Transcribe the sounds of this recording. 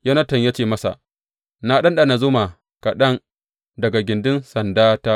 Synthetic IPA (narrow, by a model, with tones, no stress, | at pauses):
ja˦nɐ˦tɐ˨ɲja˦t͡ʃeː˨mɐ˦sa̰˨ʔ | na˦ɗɐ˦nɗa˨na˨zʊ˦ma˨ | ka˨ɗɐ˦ŋ | dɐ˨ɡa˨ɡʲɪ˨ndɪ˦nsɐ˨ndaː˦ta˦